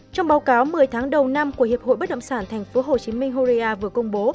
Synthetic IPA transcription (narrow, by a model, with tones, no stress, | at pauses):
t͡ɕɔ˧wŋ͡mɓaː˨˦wkaː˨˦wmɨ˨˩əjt̪ʰaː˨˦ŋɗə˨˩wna˧mku˧˩əhi˨˩əp̚ho̰˧˨jɓə˦˥t̚ɗə̰˧˨ŋ͡msaː˧˩nt̪ʰɛ˨˩ŋ̟fo˨˦ɦo˨˩t͡ɕi˨˦mï˧ŋ̟ɦo˧zi˧ʔaː˧vɨ˨˩əkʊ˧wŋ͡mɓo˨˦